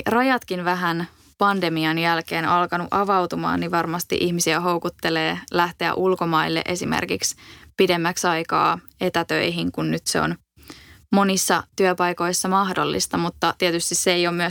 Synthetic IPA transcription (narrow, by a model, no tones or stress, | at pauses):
rɑjɑt̪kinʋæɦæn | pɑnde̞miɑnjælke̞ːnɑlkɑnuʔɑʋɑwt̪umɑ̰ːniʋɑrmɑst̪ḭʔiçmisiæɦo̞wkut̪ːe̞leːlæht̪eæ̰ʔulko̞mɑilːḛʔe̞simḛrkikspidemːæksɑjkɑ̰ː | e̞t̪æt̪ø̰iɦiŋkunnyt̪seo̰n | mo̞nisːɑt̪yøpɑjko̞jsːɑmɑhdo̞̰lːḭst̪ɑmut̪ːɑt̪iet̪yst̪isːeejomyə